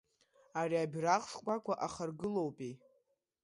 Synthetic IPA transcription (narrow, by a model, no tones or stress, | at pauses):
aɾiabʲraqʂkʷʼakʷʰʼaʔaχarɡɨlowpʼi